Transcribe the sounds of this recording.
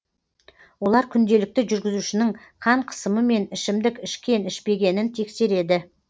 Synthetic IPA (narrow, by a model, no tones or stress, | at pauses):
wo̞lˠɑɾkʲʰʏnd̪e̞lɪk̚t̪ɪʒʏɾɡʲɪzuʃɪnɪŋ | qʰɑɴqʰə̥səməme̞nɪʃɪmd̪ɪkʲɪʃkʲe̞nɪʃpe̞ɡʲe̞nɪnt̪ʰe̞kse̞ɾe̞d̪ɪ